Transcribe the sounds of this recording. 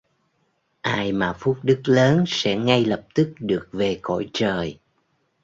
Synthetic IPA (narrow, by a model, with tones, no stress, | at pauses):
ʔaː˧jmaː˨˩fu˦˥t̚ɗɨ˦˥k̚ləː˨˦nsɛ̰˧˥ŋa˧jlə˨˩p̚t̪ɨ˦˥k̚ɗɨ˨˩ək̚ve˨˩kɔ̰˧˥jt͡ɕəː˨˩j